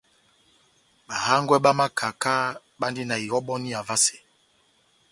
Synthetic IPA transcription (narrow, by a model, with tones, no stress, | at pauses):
ɓa˨ha˦ŋɡwɛ˦ɓa˦ma˦kʰa˨ka˦ | ɓa˦ndi˦na˨i˨ɣɔ˦ɓɔ˦ni˦a˨va˦se̥˨